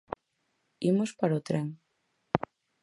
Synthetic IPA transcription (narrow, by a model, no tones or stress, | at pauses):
imʊspaɾot̪ɾeŋ